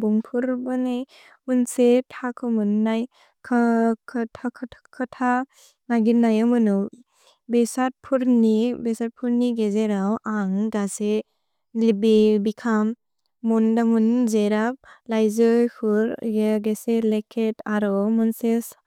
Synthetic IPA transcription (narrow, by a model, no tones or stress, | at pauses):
buŋpʰuɾbɯnej | munsetʰakʰɯmɯnːaj | kʰakʰɯtʰakʰtʰkʰɯtʰa | ŋaɡinːajamɯnɯ | besat̚pʰuɾnibesat̚pʰuɾniɡezeɾawʔaŋɡase | libibikʰamː | undamunzeɾap̚lajzɯjkʰuɾɡeɡeselekʰetaɾɔmunses